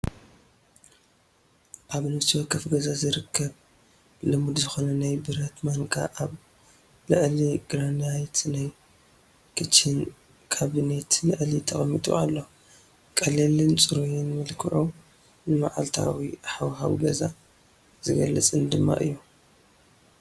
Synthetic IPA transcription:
ʔaβnɨfsʰiwɐkʰːɐfɡɐzazɨɾɨkʰːɐβ | lɨmud̪zɨxonɐnajbɨɾɐt̪maŋkʼa̰ʔaβ | lɨʔliɡɾanajt̪naj | kʰɨt͡ʃʰːɪn | kʰaβinet̪lɨʔlit̪ʰɐχʼmːit̪ʼṵalːo̞ | kʼɐlelɨnt͡sʼɨɾujɛnmɨlkʰɨʕo | nɨma̰ʕalt̪ʰa̰wiħawɦa̰wɡɐza | zɨɡɐlɨt͡sʼɨnd̪ɨmːa̰ʔɨ̰jːu

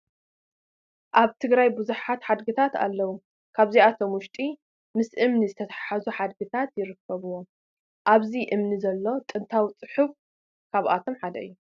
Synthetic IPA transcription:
ʔaβt̪ʰɨɡɾajbɨzuħat̪ħad̪ɡɨt̪ʰat̪a̰lːɐwu | kʰaβziat̪ʰo̞mwʊʃt̪ʼi | mɨsʔɨmnizɨt̪ʰɐt̪ʰaħazuħad̪̚ɡɨt̪ʰat̪jɪɾɨkʰːɐβuwo̞ | ʔaβziʔɨmnizɐlːo̞t̪ʼɨnt̪ʰawit͡sʼɨħuf | kʰaβʔa̰t̪ʰo̞mħad̪ɐʔɨjːu

